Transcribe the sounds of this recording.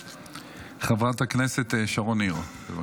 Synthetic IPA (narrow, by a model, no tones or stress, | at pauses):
χavʁathakneset̪eʃaʁonio | eva